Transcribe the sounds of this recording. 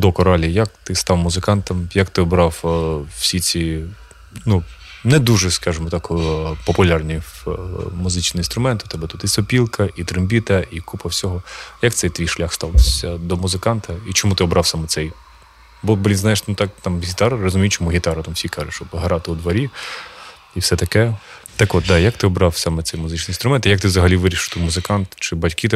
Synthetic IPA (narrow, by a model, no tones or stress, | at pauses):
d̪ɔkɔɾɑlʲijɐk̚t̪ɪst̪ɑwmʊzɪkɑnt̪ɐmjɐkt̪ɪɔbɾɑww̥sʲit͡sʲi | nu | nɛd̪uʐɛskɑʒɪmɔt̪ɑkpɔpʊlʲɑrnʲiwmʊzɪt͡ʃnɔɔinst̪ɾʊmɛnt̪ʊt̪ɛbɛt̪ut̪isɔpʲilˠkɐʔit̪ɾɪmbʲit̪ɐikupɐwsʲɔɦɔjɐk̚t̪sɛjt̪ʋʲijʃlʲaxst̪ɑlˠt̪ɪsʲɐd̪ɔmʊzɪkɑnt̪ɐit͡ʃɔmut̪ɪɔbɾɑwsɑmɛt̪sɛj | bɔbɔʋʲinznɑjeʃnʊt̪ɑkt̪ɑmɦʲit̪ɑɾɐrɔzʊmʲijʊt͡ʃɔmuɦʲit̪ɑɾɐt̪ɑmfsʲikɑʐʊʃt͡ʃɔpɦɐɾɑt̪ɪʊd̪ʋɐɾʲi | ifsɛt̪ɐkɛ | t̪ɐkʋɔt̪̚d̪ɑjɐk̚t̪ɪɔbɾɑwsɑmɛt̪sɛjmʊzɪt͡ʃnijnt̪ɾʊmɛnt̪ijɐkt̪ɪʋzɐɦɐlʲiʋɪɾʲiʃɪwt̪umʊzɪkɑnt̪t͡ʃɪbɐtʲkɪt̪ɛ